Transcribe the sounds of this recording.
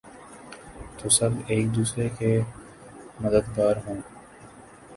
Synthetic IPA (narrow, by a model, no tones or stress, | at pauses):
t̪oːsɐbeːk̚d̪uːsɾeke | məd̪əd̪ɡaːɾɦõː